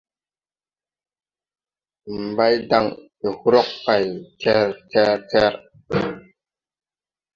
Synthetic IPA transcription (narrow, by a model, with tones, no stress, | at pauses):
m̩˨ba˦jda˦ŋ | e˨hu˦ɾo˦kːa˨jtʰɛ˦ɾtʰɛ˦ɾtɛ˦ɾ